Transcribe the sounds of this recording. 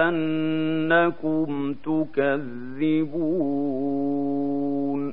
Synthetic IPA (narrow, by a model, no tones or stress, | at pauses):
annakum̩tukað | ibu | n